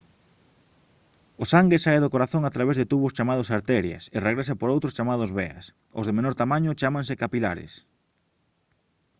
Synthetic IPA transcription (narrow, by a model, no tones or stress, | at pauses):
ʊsaŋɡesaeðokoɾaθõŋat̪ɾaβezðet̪uβʊst͡ʃamað̞ʊsaɾt̪ɛɾjɐ̰sɪreɣɾes̬apoɾowt̪ɾʊst͡ʃamað̞ʊzβeɐ̰s | o̰zðemenoɾt̪amãɲʊt͡ʃamãŋsɪkapilaɾɪ̰s